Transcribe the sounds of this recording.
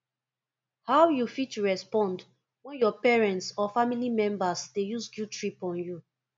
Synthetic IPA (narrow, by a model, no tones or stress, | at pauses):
hawjufituɹɛspɔ̃nd | wɛ̃njɔpɛɹɛ̃ntsɔfamilimɛ̃mbasdejusɡjutɹipɔ̃nju